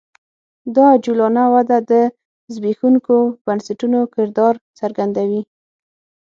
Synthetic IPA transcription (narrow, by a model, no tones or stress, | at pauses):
d̪ɑd͡ʒulɑnawad̪ad̪ə | zbexuŋkob̥ansaʈunokɪɾd̪ɑɾt͡saɾɡand̪awi